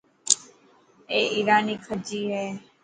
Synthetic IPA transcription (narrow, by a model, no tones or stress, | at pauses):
eːʔiːɾaːniːkʰəd͡ʒiːɦɛː